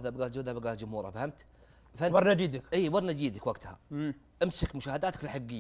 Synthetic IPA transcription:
ðabɡaːld͡ʒuːd̪abɡaːld͡ʒʊmhuːɾˤɑ̰fahamt̪ | fabɑɾˤnad͡ʒiːd̪ɪkʔiːbɑɾˤnad͡ʒiːd̪akwaɡt̪ha̰ | ʔɪmsɪkmʊʃaːhad̪aːt̪ḁklħaɡːɪjː

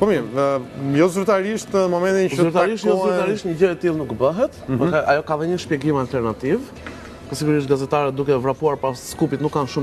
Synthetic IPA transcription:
pɔmi | jɔzuɾt̪aɾiʃt̪nəmɔmɛnt̪izzuɾt̪aɾiʃt̪jɔɾt̪aɾiʃt̪ɲəɟɛjɛt̪ilˠnukbəɦɛt̪vɛɛajɔkaðɛɲəʃpjɛɡimalt̪ɛɾnat̪iv | pɔsiɡuɾiʃ̬t̪̚ɡazɛt̪aɾɛt̪̚d̪ukɛvɾapuaɾpasskupit̪nukːanʃum

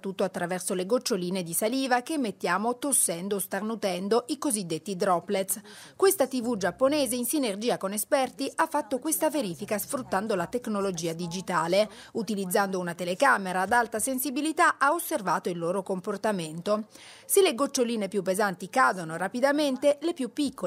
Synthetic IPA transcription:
t̪ːut̪ːoat̪ːɾavɛrsoleɡot͡ʃːoliːned̪isaliːvakemːet̪ːjaːmot̪osːɛnd̪oːst̪arnut̪ɛnd̪oʔikozid̪ːet̪ːid̪ɾɔplet̪skwest̪at̪ivud͡ʒapːoneːzeinsinerd͡ʒiːakonespɛrt̪iʔafːat̪ːokwest̪aveɾiːfikasfɾut̪ːand̪olat̪eknolod͡ʒiːad̪id͡ʒit̪aːleut̪ilid̪zːand̪ounat̪elekaːmeɾaːd̪alt̪asensibilit̪aʔaosːervaːt̪oilːoːɾokomport̪ament̪o | seleɡot͡ʃːoliːnepjupːezant̪ikaːd̪onoɾapid̪ament̪elepjupːikːo

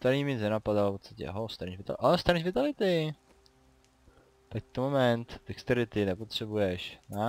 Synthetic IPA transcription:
t̪aɾɲimɪnɛnapadalpot̪st̪ḁcɛ̰ɦost̪aɾniʒvɪt̪a̰ʔast̪aɾiʒvɪt̪alɪt̪ɪ | t̪ak̚t̪omomɛnt̪vɪkst̪ɛɾɪt̪ɪnɛpot̪r̝̥ɛbujɛʃna

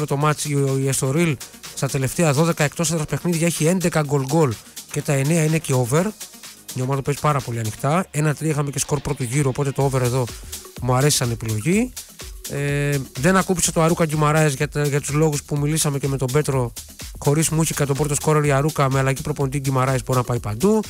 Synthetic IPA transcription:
ɾot̪o̞mɐt͡siiest̪o̞ɾilst̪ɐt̪e̞le̞ft̪eɐðo̞ðe̞kɐek̚t̪o̞sɐðɾɐspe̞xniðʝɐeçie̞nd̪e̞kɐɡo̞lɡo̞lce̞t̪ɐe̞neɐine̞ceove̞ɾɲomɐt̪ope̞zi̥pɐɾɐpo̞liɐnixt̪ɐe̞nɐt̪ɾixɐmece̞sko̞ɾpɾo̞t̪uʝiɾuopo̞t̪et̪o̞ove̞ɾe̞ðo̞muɐɾe̞si̥sɐne̞pilo̞ʝi | eðe̞nɐkupi̥set̪oɐɾukɐɟimɐɾɐezʝɐʝɐt̪uzlo̞ɣuspumilisɐme̞ce̞me̞t̪o̞be̞t̪ɾo̞ | xo̞ɾizmuiçikɐt̪o̞bɾo̞t̪o̞sko̞ɾeɾiɐɾukɐmeɐlɐʝipɾo̞po̞nd̪iɟimɐɾɐesboɾinɐpɐjpɐnd̪u

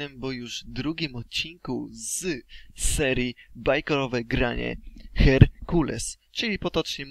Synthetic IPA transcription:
ɛmbɔjuʐd̪ɾuɡʲimɔt̪̚t͡ɕinkuz̥sɛɾʲjibajkɔɾɔvɛɡɾaɲɛ̰xɛɾkulɛ̰s | t͡ʂɘlʲipɔt̪ɔt͡ʂɲɛm

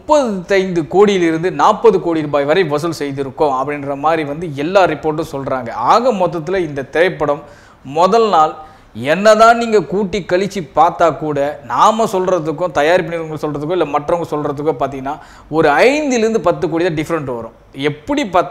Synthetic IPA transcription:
mʊpːɐðɯɐɪnd̪ɯkoːɽɪjɪlɪɾɯnd̪ɯnaːpːɐðɯkoːɽiɾuːbaːjʋɐɾɐɪʋɐs̬ɯlsɛjðɪɾɯkːõɐpːɐɽɪnrɐmaːd̪ɾiʋɐnd̪ɯɛlːaːɾɪpːoːʈ̬ːʊ̃sɔlɾaːŋɡɐ̰aːɣɐmɔt̪̬ːɐt̪ːɪlɐɪnd̪ɐt̪ɪɾɐɪpːɐɽɐmː | ɔðɐlnaːl | ɛnːɐðãːniːŋɡɐkuːʈːikːɐɭɪt͡ʃːipaːɾt̪aːkuːɽɐnaːmɐsɔlrɐðɯkːʊ̃t̪ɐjaːɾɪpːɐɳɪɾɐŋɡɐɭsɔlrɐðɯkːʊ̃ɪlːɐmɐʈrɐŋɡɐsɔlrɐðɯkːʊ̃paːɾt̪̬iŋɡɐnːaː | ɔɾɯɐɪnd̪ɯɪlɪɾɯnd̪ɯpɐt̪ːɯkoːɽit̪aːɖɪfɐɾɐɳʈːɯʋɐ̰ɾʊ̰̃ | ɛpːɐɽipaːt̪

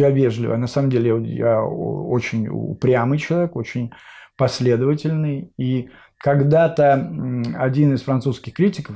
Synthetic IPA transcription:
javʲe̞ʐlʲɪvə̰nɐsaməmdʲelʲɪja̰o̰t͡ɕɪnʲʊ̰pɾʲamɨjt͡ɕɪlˠɐvʲekot͡ɕɪnʲpɐsʲlʲe̞d̪əvətʲɪlʲnɨji | kɐɡd̪at̪ə | ɐdʲinɨsfɾɐnt̪suskʲɪxkɾʲitʲɪkəf

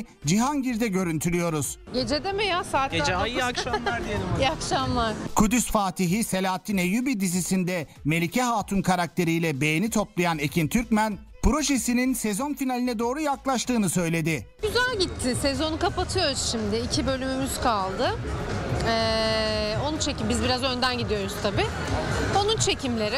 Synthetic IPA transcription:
d͡ʒiɦanɟiɾd̪ɛɟø̞ɾynt̪ʰylʲyjo̞ɾuz̥ɟe̞d͡ʒed̪ɛmejasaːt̪ed͡ʒajiakʃalˠaɾeakʃamlˠaɾkʰud̪ysfaːt̪ʰiɦise̞lʲaːt̪ʰːinejybid̪izisind̪ɛ | me̞lʲicʰɛɦaːt̪ʰunkʰaɾak̚t̪ʰe̞ɾijlʲɛbe̞jenit̪ʰo̞plˠajane̞cʰint̪ʰyɾcmæn | pɾo̞ʃe̞sininsezo̞nfinalʲinɛd̪o̞ːɾujaklˠaʃt̪ɯːnɯsø̞jlʲe̞d̪ɪɟ̥yzælʲɟit̪ʰːɪsezo̞nukapat̪ʰɯjoɾuzʃimd̪ɪːcʰibø̞lʲymymyz̥kʰalˠd̪ɯ | ɛ | o̞nunt͡ʃʰecimbizbiɾazø̞nd̪ænɟid̪ijo̞ɾuz̥t̪ʰabi | o̞nunt͡ʃʰe̞cimlʲe̞ɾɪ

